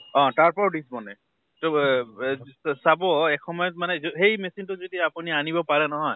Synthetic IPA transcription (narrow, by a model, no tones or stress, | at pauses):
ɔ̃taɹpɔɹɖisbɔnɛ | to | sabɔɛkxɔmɔjɔtmanɛzoɦejmesintʊzodiapunianibɔpaɹɛnɔɦɔj